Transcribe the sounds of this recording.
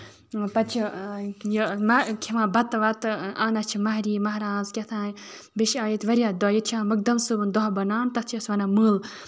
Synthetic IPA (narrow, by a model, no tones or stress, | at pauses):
pɐt͡ʃʰijmɐkʲʰiʋãːbɐt̪ʋɐt̪aːnɐt͡ʃʰimɐɦɾiːmɐɦɾãːnzkʲet̪ʰãːjbiʃãːjit̪ʋɐɾʲijaːd̪ɔːjit̪t͡ʃʰãːmɐk̚d̪ɐmsɨbɨnd̪ɔɦbɐnaːnt̪ɐt͡ʃʰiɐsʋɐnaːmɨːl